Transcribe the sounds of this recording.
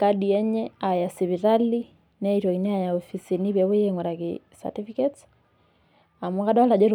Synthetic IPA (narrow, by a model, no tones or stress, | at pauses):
kadiɛɲɛajasiβiɾali | nɛitwɔinɛajaɔfisiniβjɛβojeŋɡɔɾake | sa̰tifikɛts | amukadawalad͡ʒɛɾ